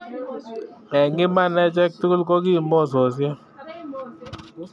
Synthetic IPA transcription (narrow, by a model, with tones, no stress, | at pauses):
ɛ˨ŋɡɪ˦ma˦nɛ˦t͡ʃɛ˦k̚t̪u˦lkɔ˦ɡi˦˨mɔ˦˨sɔ˨s̬jɛ˦